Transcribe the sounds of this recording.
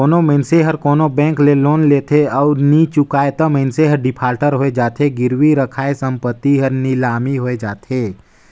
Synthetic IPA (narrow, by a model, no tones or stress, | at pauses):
oːnomə̃ɪnseɦəɾkoːnobɛ̃ːŋkleloːnleːt̪ʰeɔːɾnit͡ʃʊkaːet̪əməɪnseɦəɾɖɪpʰaːɾʈəɾɦoːed͡ʒaːt̪ʰeɡɪɾwiɾəkʰaːesə̃mpət̪ːiɦəɾnɪlaːmiɦoːed͡ʒaːt̪ʰeː